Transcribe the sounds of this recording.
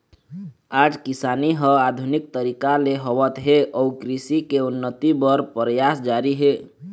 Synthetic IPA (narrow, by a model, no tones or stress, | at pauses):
ad͡ʒkisaniɦə̃ad̪ʱunik̚t̪əɾikaleɦəʋət̪ɦeʔɔukɾisikeunːət̪ibəɾpɾəjasd͡ʒaɾiɦe